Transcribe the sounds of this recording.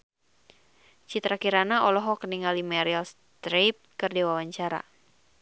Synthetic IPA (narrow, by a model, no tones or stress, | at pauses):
t͡ʃit̪ɾakiɾanaɔlɔɦɔkəniŋalimaɾials | t̪ɾep̚kɨrdewawaɲt͡ʃaɾa̰